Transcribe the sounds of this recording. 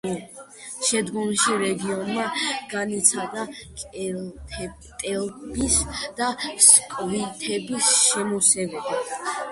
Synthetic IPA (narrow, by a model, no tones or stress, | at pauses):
ʃɛd̪ɡɔmʃiɾɛɡiɔnmaɡ̥anit̪sʰad̪akʼʰ | t̪ʼɛlbisd̪̥askʼvit̪ʰɛbisʃɛmɔsɛvɛba